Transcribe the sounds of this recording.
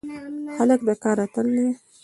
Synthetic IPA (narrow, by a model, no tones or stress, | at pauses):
xalək̚d̪akɑɾat̪əld̪e